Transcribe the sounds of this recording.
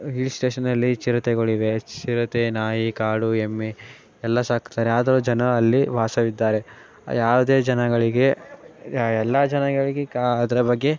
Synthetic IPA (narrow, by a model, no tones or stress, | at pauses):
ɦiːlsʈeːʃɐnd̪ɐlːit͡ʃiɾɐt̪eɡoɭiʋet͡ʃiɾɐt̪enaːɦikaːɽuemːe | ɛlːɐsaːkt̪aːɾeaːd̪ɐɾud͡ʒɐnɐɐlːiʋaːsɐʋid̪ːaːɾe̞ | jaːʋd̪eːd͡ʒɐnɐɡɐɭiɡe̞ | ɛlːɐd͡ʒɐnɐɡɐɭiɡeːd̪ɐɾɐbɐɡːe̞